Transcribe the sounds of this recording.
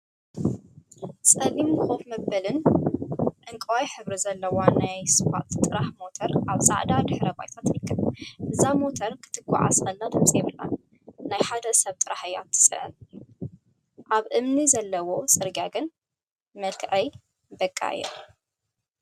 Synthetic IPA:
sʼɐlimɨxʼofmɐbɐlɨn | ʔɨŋkʼɨwajħɨβɾizɐlːɐwanajsɨwa̰t̪t̪ʼɨɾaħmo̞t̪ʰɐɾʔaβsʼa̰ʕd̪ad̪ɨħɾɐba̰jt̪ʰat̪ɾɨkʰːɨβʔɨzːamo̞t̪ʰɐɾkʰɨ̥t̪ʰɨɡʷa̰ʕa̰sʼɐlːad̪ʰɨmt͡sʼɛβɨlːa̰ | najħad̪ɐɨsɐβt̪ʼɨɾaħɨjat̪ʰːɨ̥sʼɨ̰ʕɨ̰n | ʔaβʔɨmnizɐlːɐwo̞sʼɨɾɡaɡɨn | mɐlkʰʕɐj | bɐkʼːa̰jɛ̰

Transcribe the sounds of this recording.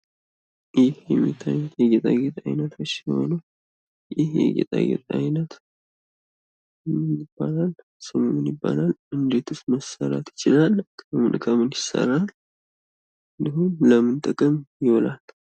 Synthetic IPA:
jɪhjɛmːḭt̪ʰajət̪jɛɡet̪ʼaɡet̪ʼajnət̪ʰot͡ʃːho̞̰nu | jɪhjɛ̰ɡḛt̪ʼa̰ɡḛt̪ʼa̰jnət̪ | ɪb̥ːalal | sɨmonunjɪbːa̰lalʔɨnd̪et̪ʰusməsəɾat̪jɪ̥t͡ʃɪlalkʰəmɨ̰nkʰəmɨnjɪsə̰ɾal | ɨnd̪ihunləmɨnt̪ʼəkʼəmjɪwɔlal

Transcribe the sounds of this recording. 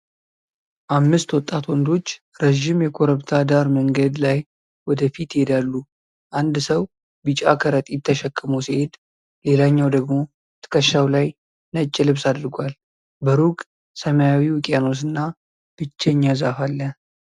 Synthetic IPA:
ʔamːɨst̪wɔt̪ʼːat̪wɔnd̪o̞t͡ʃː | ɾəʒɪmjɛkʰo̞ɾəβt̪ʰad̪aɾməŋɡəd̪laj | wɔd̪əfit̪ɪhed̪alːu | ʔand̪səw | bɨt͡ʃʼa̰kʰəɾət̪ʼjɪt̪ʰːəʃəkʼːɨmuwsihe̞d̪ | le̞laɲːawd̪əɡmo̞ | t̪ʰɨ̥kʰəʃːawlaj | nət͡ʃʼːɪlɨβsad̪ɾɨɡʷal | bəɾuɡʼ | səmajawiwʊkʼjano̞s̬ɨnːa | b̥ɨt͡ʃːɛɲːazafalːə

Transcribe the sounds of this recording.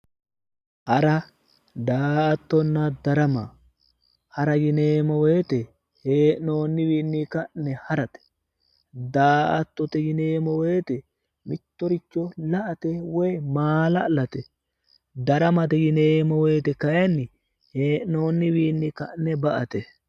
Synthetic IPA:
ʔɐɾɐ | d̪aːʔɐt̪ːɔnːɐd̪ɐɾɐma̰ | hɐɾɐjɪne̞ːmɔwejt̪ɛ | heːʔno̞ːnːɪwiːnːikɐʔnːɛhɐɾɐt̪ɛ̥ | d̪aːʔɐt̪ːɔt̪ɛjɪneːmɔweːt̪ɛ | mɪt̪ːɔɾɪt͡ʃːɔlɐʔɐt̪ɛwɔjmaːlɐlɐt̪ɛ | d̪ɐɾɐmɐt̪ɛjɪneːmɔweːt̪ɛkɐjɐnːɪ | heːʔno̞ːnːɪwiːnːɪkɐʔnɛbɐʔɐt̪ɛ

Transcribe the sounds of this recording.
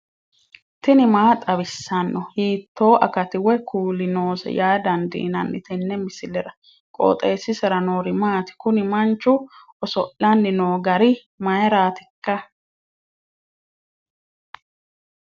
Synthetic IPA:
t̪ɪnɪmaːt̪ʼɐβɪsːɐnːɔhiːt̪ːo̞ːʔɐkɐt̪ɪwɛkuːlɪnoːsɛ̰jaːd̪ɐnd̪ḭːnɐnːɪ̰t̪ɛnːɛmɪsɪlɛɾɐ | kʼo̰ːt̪ʼeːsːɪsɛɾɐnoːɾɪmaːt̪ɪ̥kʊnɪmɐnt͡ʃːʊʔɔsɔʔːɐnːɪnoːɡɐɾɪ | mɐjɐɾaːt̪ɪkːɐ

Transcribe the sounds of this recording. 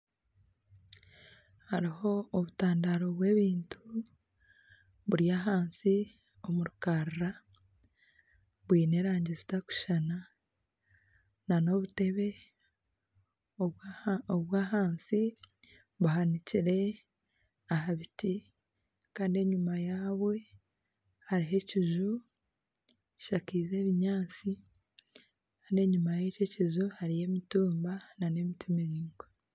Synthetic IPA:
haɾiho̞ːβutaːndaɾo̞βwe̞ːβiːntu | βuɾijaːɦaːnsi | o̞muɾukaɾɾa | βwiːne̞ɾaːɲɟizitaku̥ʃana | nano̞βute̞βe̞ | oβwaɦaːnsi | βuɦaniciɾe̞ | aɦaβiti | kaːndie̞ɲumajaːβwe̞ | haɾiɦe̞ciʒu | ʃakiːze̞ːβiɲaːt͡si | kaːndie̞ɲumajece̞ciʒuhaɾije̞ːmituːmbanane̞mitʰimiɾiːŋɡo

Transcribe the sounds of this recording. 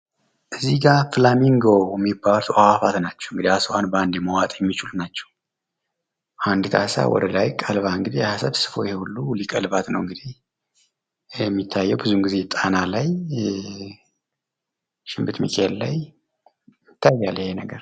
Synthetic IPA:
ʔɨzːiɡafɨlamiŋɡowjɛmːibːalt̪ʰʔawafat̪nat͡ʃːɛ̥wɨŋɡɨd̪ihasowʔanband̪jɛməwat̪ʼjɛmːit͡ʃɪlunat͡ʃːɛ̥w | ʔand̪ɨt̪ʰa̰sa̰wɔ̰d̪əlajkʼəlβaɨŋɡɨd̪ijhasəβsɨ̥fo̞jɛhehulːulikʼəlbat̪nəwɨŋɡɨd̪i | jɛmːit̪ʰːajːɛwbɨzunɡize̞t̪ʼanalaj | ʃɪmbɨt̪mḭkʰʼelːa̰j | ɪt̪ʰːajːalːɪhenəɡəɾ

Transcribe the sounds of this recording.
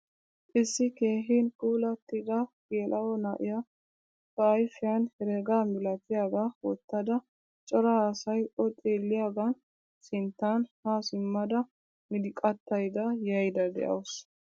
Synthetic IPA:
ʔɪsːɪke̞ːɦiːnkuːlɐt̪ːɪd̪ɐɡeːlʔɐwɔnɐʔɪja | fɐːjfɪjɐnhɛɾeɡaːmɪlɐt̪ɪjaːɡawɔ̰t̪ːɐd̪ɐ | t͡ʃʼɔɾɐaːsɐjɔt̪ʼeːlːɪjaːɡɐn | sɪnt̪ːaːnhaːsɪmːɐd̪ɐ | mɪd̪ɪkʼːɐt̪ːɐjd̪ɐjɐjd̪ɐd̪ɛ̰ʔɐ̰ws

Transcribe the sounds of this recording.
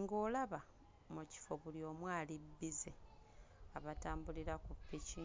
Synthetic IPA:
ŋɡoːlaβa | muci̥fo̞βuljoːmwaːlibːize | aβataːmbuliɾakupːici

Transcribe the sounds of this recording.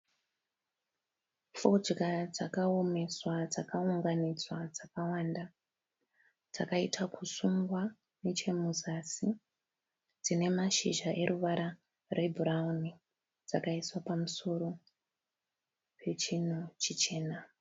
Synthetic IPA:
fod͡ʒɡad͡zakao̞me̞swad͡zakauŋɡanid͡zwad͡zakawanda | d͡zakaitʰakusuŋɡwa | net͡ʃe̞muzasi | d͡zine̞maʃiʒaʔe̞ɾuʋaɾa | re̞bʱuɾauni | d͡zakaiswapamuso̞ɾo̞ | pʰe̞t͡ʃin̤ut͡ʃit͡ʃe̞ːna

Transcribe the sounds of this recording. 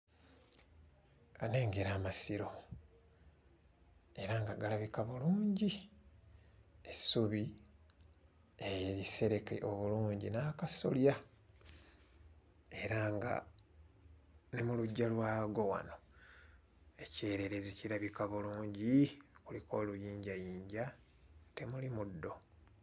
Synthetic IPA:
ane̞ːŋɡeɾaːmasiɾo̞ | e̞ɾaŋɡaɡalaβikaβuluːɲɟi | esuβi | eɾise̞ɾe̞kḛʔo̞βuluːɲɟinaːkasolja | e̞ɾaŋɡa̰ | nemuluɟːalwaːɡo̞wa̰no̞ | e̞ce̞ːɾe̞ɾe̞ziciɾaβikaβuluːɲɟikuliko̞ːlujiːɲɟajiːɲɟa | te̞mulimudːo̞

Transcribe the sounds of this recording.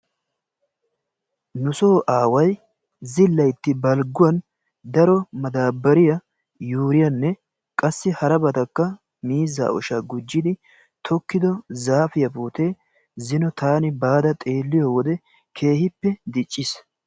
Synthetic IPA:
nʊso̞ːʔaːwɐj | zɪlːɐjt̪ːɪbɐlɡʊwɐn | d̪ɐɾɔmɐd̪aːbːɐɾɪjɐ | juːɾɪjɐnːɛ | kʼɐsːɪhɐɾɐbɐt̪ɐkːɐ | miːzːa̰ːɔ̰ʃɐɡʊd͡ʒːɪd̪ɪ | t̪ʰɔkːɪd̪ɔzaːfɪjɐpuːt̪e̞ː | zɪnɔt̪aːnɪbaːd̪ɐt̪ʼe̞ːlːɪjɔwɔd̪ɛ | kʰe̞ːhɪpːɛd̪ɪt͡ʃʼːɪs

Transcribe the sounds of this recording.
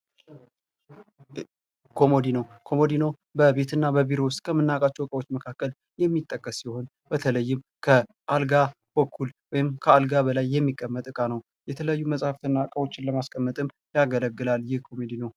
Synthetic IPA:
kʰo̞mod̪inəwkʰo̞mo̞d̪inəw | bəbe̞t̪ʰɨnːabəβiɾowst̪̚ʼkʰəmɨnːakʼat͡ʃːɛwkʼəwo̞t͡ʃːməkʰakːəl | jɛmːit̪ʼːəkʼːəsːiho̞n | bət̪ʰələjːɪm | kʰə | ʔalɡa | bəkʰːulwɔjɪmkʰəalɡaβəlajːɛmːikʼːəmːət̪ʼɨkʼanəw | jɛt̪ʰələjajːuməsʼhaft̪ɨnːakʼəwo̞t͡ʃːɪnləmaskʼəmːət̪ʼɨm | jaɡələɡːɨlaljɪhkʰo̞med̪inəw

